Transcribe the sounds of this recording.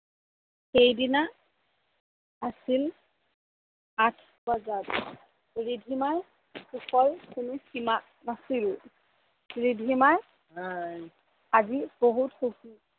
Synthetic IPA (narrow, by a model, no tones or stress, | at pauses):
xejdina | asil | atʰ | bazat | ɹidʱimaj | xuxʰɔjkunusima | nasilʊ | ɹidʱimaj | aziboɦutxuki